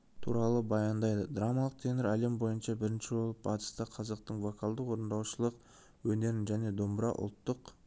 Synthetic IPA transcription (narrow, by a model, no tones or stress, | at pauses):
t̪ʰṵɾɑlˠəbɑjɑnd̪ɑjd̪əd̪ramɑlˠəq̚t̪ʰenəɾæle̞mbo̞jənʃɑbɪɾɪnʃɪbo̞lˠəp̚bɑt̪ə̥st̪əqʰɑzɑq̚t̪əɴvo̞kʰɑlˠd̪əqwo̞ɾənd̪ɑwʃəlˠəq | wɵne̞ɾɪnʒæne̞d̪o̞mbɾɑ̰ʔʊ̰lˠt̪ːəq